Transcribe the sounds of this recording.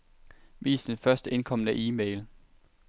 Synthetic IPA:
ʋḭːsd̥enfɶɐsd̥əe̝nkʰɒ̽mənəʔiːmeɪl

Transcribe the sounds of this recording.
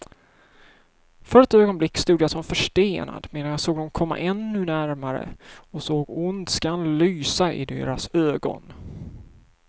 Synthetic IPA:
fœɾɛt̪øːɡɔnblɪkːst̪uːd̪əjasɔmfœʂʈeːna̰d̪meːnanjasoːɡ̚d̪ɔmkʰɔmːa̰ʔɛnːɵnæɾmaɾə̰ɔsoːɡʊnd̪skanlyːsaʔɪ̰d̪ḛːɾasøːɡɔ̰n

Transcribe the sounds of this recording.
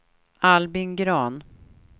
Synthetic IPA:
albɪnɡɾɑːn

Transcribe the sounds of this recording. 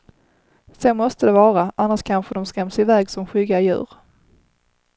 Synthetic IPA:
sɛnmɔst̪əd̪ɛvɑːɾaʔanːaʂkʰanɧəd̪ɔmskɛmsɪvɛːɡsɔmɧʏɡajʉ̟̰ːɾ

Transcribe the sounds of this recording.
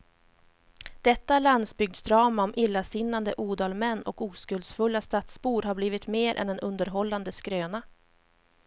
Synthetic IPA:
d̪̥ɛt̪ːaɭand̪sbʏɡ̚d̪sd̪ɾɑːmaɔmʔɪlːasɪnːand̪əʔuːd̪ɑːlmɛnːɔkuːskɵld̪sfɵlːast̪at̪spuːɖɦaɾbliːvɪt̪meːɾʔɛ̰nd̪ɛnɵnd̪əɾɦɔlːand̪əskɾøːna

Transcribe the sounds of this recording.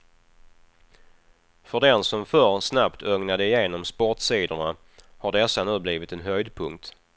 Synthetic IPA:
fœɖɛnsɔmfœɾsnapt̪ʰœŋnad̪əɪjeːnɔmspɔʈsiːd̪əɳa | haɖɛsːanʉ̟ːbliːvɪt̪ɛnɦœjd̪pʰɵŋkt̪

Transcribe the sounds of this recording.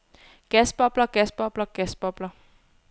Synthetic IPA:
ɡ̥ɛsb̥ɒb̥lɐɡ̥ɛsb̥ɒb̥lɐɡ̥ɛsb̥ɔb̥lɐ

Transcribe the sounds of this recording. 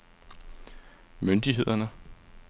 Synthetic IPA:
mønd̥iɦe̝ð̞̰ˠɐnə

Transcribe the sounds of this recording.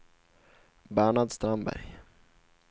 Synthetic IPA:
bæːɳad̪st̪ɾambæ̰ɾj

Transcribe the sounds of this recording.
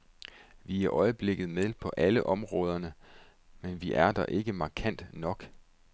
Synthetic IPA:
ʋiæɐʔɒ̽ɪəb̥le̝ɡ̥ð̞̩ˠmeðˠpʰɒ̽ʔæləʔɒ̽mʁɔ̽ːð̞ˠɐnə | menʋiʔæɐd̥ɑʔe̝ɡ̥əmɑ̈ːkʰæn̰d̥nɒ̽ɡ̥

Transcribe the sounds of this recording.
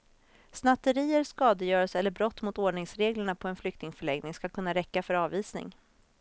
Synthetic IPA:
snat̪ːəɾiːəɾskɑːd̪əjœːɾəsɛlːəɾbɾɔt̪ːmʊt̪oːɖɳɪŋsɾeːɡləɳapʰɔɛnflʏkt̪ɪŋfœɭɛŋnɪŋskakʰɵnːaɾɛkːafœɾɑːviːsnɪ̰ŋ

